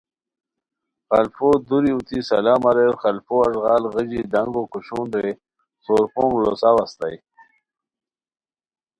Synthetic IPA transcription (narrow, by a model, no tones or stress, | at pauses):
xalfod̪uɾiut̪ʰisɐ̰laːmaɾeɾχalfoaʐʁɑːlɣəd͡ʑid̪aŋɡokuɕuːnd̪e | soɾpoːŋɡlo̰sawast̪a̰j